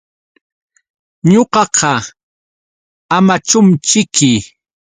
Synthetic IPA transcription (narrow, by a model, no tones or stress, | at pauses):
ɲoqɑqʰɑ | amat͡ʃʊmt͡ʃɪkʰɪ